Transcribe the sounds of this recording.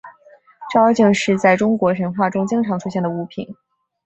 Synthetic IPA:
ʈ͡ʂt͡ɕi˥˧ŋʂɻ̩˥˧t͡sa˥˩ɪʈ͡ʂʊ˥ŋkwɔ˧˥ʂə˧˥nxwa˥˩ʈ͡ʂʊ˥ŋt͡ɕɤ˥ŋʈ͡ʂʰɑ˧˥ŋʈ͡ʂʰu˥ɕjɛ˥˩nd̪ə˩u˧˥pʰi˨˩˦n

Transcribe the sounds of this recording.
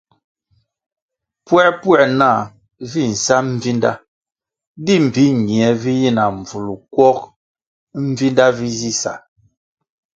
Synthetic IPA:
pwɛ˦˨pwɛ˦˨ʔna˦˨ | vi˦˨n̩˨sa˦m˦vi˦nda̰˦ | di˦˨m̩˨bi˦ɲi˨ɛ˨vi˦ji˦na˨ɱ˨vu˨lu˨kwɔ˦k | m̩˦vi˦nda˦vi˦zi˦sa̰˨

